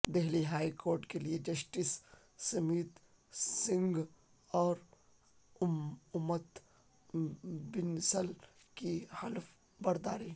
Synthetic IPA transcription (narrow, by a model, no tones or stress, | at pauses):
d̪ɛɦliɦaːikoːɾʈkelied͡ʒɐsʈis | sɐmiːt̪ | sɪ̃ŋɡ | ɔːɾ | ʊʊmːət̪ | bɪnsəl | kihɐlf | bɐɾd̪aːɾi